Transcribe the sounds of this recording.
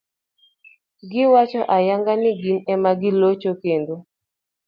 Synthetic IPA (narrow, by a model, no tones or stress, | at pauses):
ɡɪwat͡ʃɔʔajaŋɡanɪɡinɛmaɡɪlot͡ʃokendo